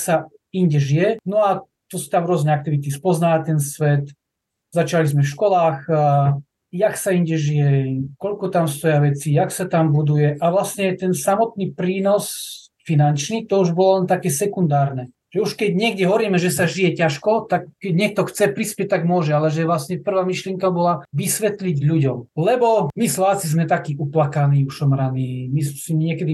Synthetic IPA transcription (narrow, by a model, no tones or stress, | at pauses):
sa | inɟɛʒijɛnɔa | t̪ɔsu̥t̪amɾʊɔznɛak̚t̪iʋit̪ispɔznaːat̪ɛnsʋɛt̪ | zat͡ʃalizmɛfʃkɔlaːx | jaksainɟɛʒijɛkɔlkɔt̪amst̪ɔjaʋɛt͡sijaksat̪ambud̪ujɛʔaʋlasɲɛt̪ɛnsamɔt̪nipɾiːnɔs | finant͡ʃnit̪ɔuʒbɔllɛnt̪akɛːsɛkund̪aːɾnɛ | ʒ̥ɛuʃkɛɟɲɪɛɡɟɛɦɔɾiːmɛʒɛsaʒijɛcaʃkɔt̪akːɛɟɲɛk̚t̪ɔxt͡sɛpɾispjɛc̚t̪aɡmʊɔʒɛalɛʒɛʋlasɲɛpr̩ʋaːmiʃlɪɛŋkabɔlaʋisʋɛt̪liɟʎuɟɔmlɛbɔmislaːt͡sizmɛt̪akiːuplakaniːuʃsɔmɾaniːmissiɲɪɛkɛd̪i